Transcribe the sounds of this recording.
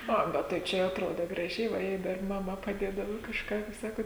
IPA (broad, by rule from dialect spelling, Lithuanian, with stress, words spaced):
ˈɐ ˈbʲɛt tɐɪ ˈt͡ʃʲɛ jɛʊ ɐtˈroːdɐ ɡrɐˈʒʲɛɪ ʋɐ ˈjɛɪ dɐr mɐˈmɐ pɐˈdʲeːdɐʋɐ kɐʃˈkɑː ˈkɐɪp ˈsɑːkoːt